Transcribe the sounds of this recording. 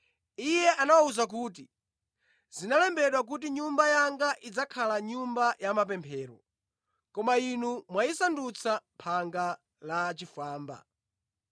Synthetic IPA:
ijɛʔanawauzak̬uːt̬i | zinalɛmbɛɗwak̬ut̬iɲumbajaŋɡaʔid͡zakʰalaɲumbajamap̬ɛmpʰɛːɾɔ̰ | kɔmainumwaisandut͡sʰampʰaŋɡa | lat͡ʃifaːmba̰

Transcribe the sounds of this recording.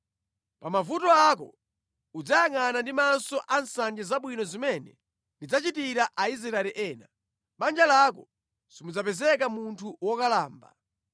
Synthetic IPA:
pamavutɔak̬ɔ̰ | ud͡zajaŋanandimansɔʔansand͡ʒɛzaɓwinɔzimɛnɛ | ndid͡zat͡ʃitiɾaʔaizɾɛɛliʔɛːna | ɓand͡ʒalakɔ | simud͡zapɛzɛkamuntʰuwɔkalaːmba̰

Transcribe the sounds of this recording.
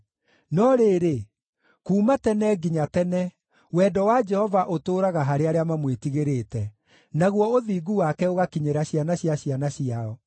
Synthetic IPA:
nɔɾeːɾe | kuːmatɛnɛɡiɲatɛnɛ | wɛːdɔwad͡ʒɛhɔvaʔotoːɾaɣaɦaɾeaɾeamamwetiɣeɾetɛ | naɣwɔoðiːɡuwakɛoɣakiɲeɾaɕianaɕjaɕianaɕjiaɔ

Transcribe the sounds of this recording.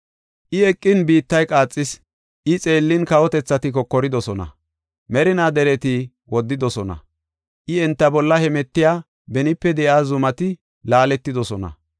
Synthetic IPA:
ʔɪɛkʼːɪnbiːt̪ːɐjkʼaːt͡sʼːɪs | ʔɪt͡sʼe̞ːlːɪnkɐwɔt̪ɛt͡sːɐt̪ɪkɔkːɔɾɪd̪ɔsɔnɐ̰ | mɛɾɪnaːd̪ɛɾɛt̪ɪ | wɔd̪ːɪd̪ɔsɔnɐ̰ | ʔɪɛnt̪ːɐbɔlːɐhɛmɛt̪ːɪjaː | bɛnɪpːɛd̪ɛʔaːzʊmɐt̪ɪ | laːlɛt̪ːɪd̪ɔsɔnɐ̰

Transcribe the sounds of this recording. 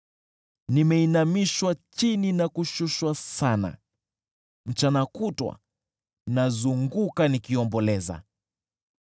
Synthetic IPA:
nimɛinamiʃwat͡ʃininakuʃuʃwasana̰ | m̩t͡ʃanakutwa̰ | nazuŋɡukanikiɔmbɔlɛza̰

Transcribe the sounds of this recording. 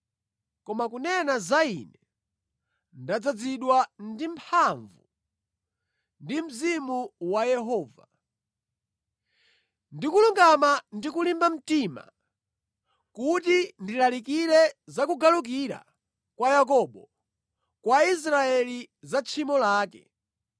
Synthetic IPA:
kɔmakunɛnazaḭnɛ | ndad͡zad͡ziɗwandimpʰaɱvu | ndim̩zimuwajɛɦɔːva | ndikuluŋɡamandikulimbam̩tima̰ | kut̬indilalikiɾɛzakuɡaluk̬iɾa̰ | kwajak̬ɔɓɔ | kwais̬ɾaɛli | zat͡ʃʰimɔlaːkɛ̰

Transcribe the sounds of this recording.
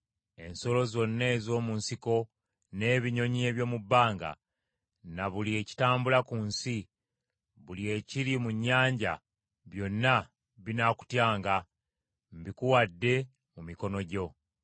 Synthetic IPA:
e̞nso̞lo̞zo̞nːeːzo̞ːmunsiko̞ | ne̞ːβiɲo̞ɲie̞ːβjo̞ːmubːaːŋɡa̰ | naβulie̞ːci̥taːmbulakunsi | βulie̞ciɾimuɲːaːɲɟa̰ | βjo̞nːa | βinaku̥tjaːŋɡa | m̩bikuwadːe̞ | mumiko̞no̞ɟo̞

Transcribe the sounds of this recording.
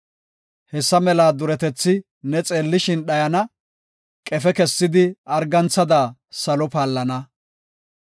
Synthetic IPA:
hɛsːɐmɛlaːd̪ʊɾɛt̪ɛt͡sːɪ | nɛt͡sʼe̞ːlːɪʃɪnɗɐjɐnɐ | kʼɛfɛkɛsːɪd̪ɪɐɾɡɐnt͡sːɐd̪aːsɐlɔpaːlːɐnɐ

